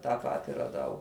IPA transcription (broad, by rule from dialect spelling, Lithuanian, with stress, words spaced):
tɑː ˈpɑːtʲɪ rɐˈdɐʊ